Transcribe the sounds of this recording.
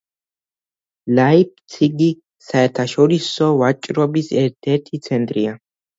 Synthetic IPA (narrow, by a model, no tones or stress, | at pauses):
lajip̚t̪sʰiɡi | saɛɾt̪ʰaʃɔɾisɔvat͡ʃʼɾɔbisɛɾt̪ʰɛɾt̪ʰit̪sʰɛnt̪ʼɾia